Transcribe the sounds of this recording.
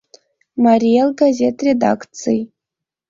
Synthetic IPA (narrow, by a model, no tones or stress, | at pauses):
marijelɡazʲe̞tʰredakʰʼt͡sʰɨj